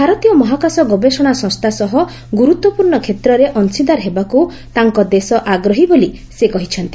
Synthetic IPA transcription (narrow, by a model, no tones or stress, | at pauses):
bʱaɾɔt̪ijɔmɔɦakasɔɡɔbesɔɽ̃asɔ̃st̪ʰasɔɦɔ | ɡuɾut̪wɔpuɾɳɔkʰet̪ɾɔɾeʔɔnsid̪aɾɦebaku | t̪aŋkɔd̪esɔʔaɡɾɔɦiboli | sekɔɦit͡ʃʰɔnt̪i